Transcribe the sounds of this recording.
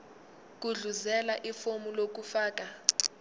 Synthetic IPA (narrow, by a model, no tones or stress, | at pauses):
k̬ʼuɮuzɛlaʔifomulok̬ufaːk̬ʼa